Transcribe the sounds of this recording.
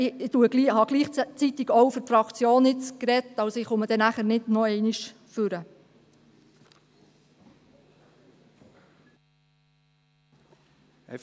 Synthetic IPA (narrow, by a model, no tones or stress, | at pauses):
ɪɪtuəɡlihɑɡ̥liːχt͡sit̪iɡowfʏɾfɾɑkt͡sjoːnɪt͡skrɛt̪ːɑwsoɪχʊməd̥̪ɛnæχəɾnɪdnɔɛɪniʃ | fʏɾə